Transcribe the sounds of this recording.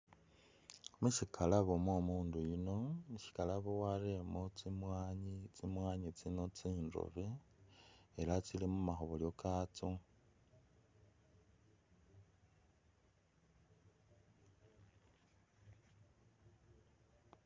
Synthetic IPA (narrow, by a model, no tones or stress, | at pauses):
musikʰalaβomomuːndujino̞iʃi̥kalaβowaɾemot͡simwaɲit͡simwaːɲit͡sino̞t͡siːndo̰βe | elat͡silimumaxoβoljo̞kʰat͡so